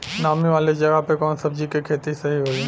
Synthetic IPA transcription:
naːmiʋaːled͡ʒɐɡəpekɔːnsɐbd͡ʒikekʰeːt̪isɐɦiɦoːiː

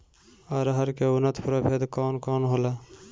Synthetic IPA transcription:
aɾɦəɾkeunət̪ʰpɾəbʱed̪kɔːnkɔːnɦola

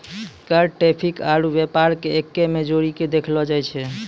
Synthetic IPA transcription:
kəɾʈɾepʰikaɾubepaɾkeekːemed͡ʒoɾiked̪ekʰlɔd͡ʒajt͡ʃʰɛ

